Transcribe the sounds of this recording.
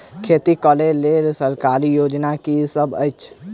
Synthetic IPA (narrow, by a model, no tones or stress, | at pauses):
kʰet̪ikəlelelsəɾkaɾijod͡ʒnakisəbə̰jt͡ʃʰ